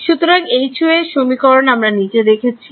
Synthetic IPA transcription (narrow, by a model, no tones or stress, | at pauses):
ʃut̪oɾaŋejt͡ɕʰueʃomikɔɾonamɾanid͡ʑed̪ekʰet͡ɕʰi̥